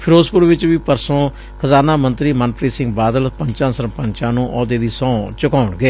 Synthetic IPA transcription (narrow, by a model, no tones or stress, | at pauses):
pʰɪɾoːzpʊɾʋɪt͡ʃʋiːpəɾsõː | kʰəzaːnãːmənt̪ɾiːmənpɾiːsɪ̃ŋɡbaːd̪əlpəɲt͡ʃãːsəɾpəɲt͡ʃãːnũːʔɔːd̪eːd̪iːsɔ̃ːt͡ʃʊkaːʊɳɡeː